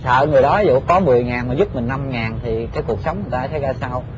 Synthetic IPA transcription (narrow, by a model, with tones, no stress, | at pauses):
sə̰ː˧˨ŋɨ˨˩əjɗɔ˨˦i˨˦zṵ˧˨kɔ˨˦mɨ˨˩əjŋaː˨˩nmaː˨˩zu˦˥p̚mï˨˩ŋna˧mŋaː˨˩nt̪ʰi˨˩kaː˨˦jku˨˩ək̚sə˨˦wŋ͡mŋɨ˨˩t̪aː˧˦t̪ʰə˨˦jzaː˧sa˧w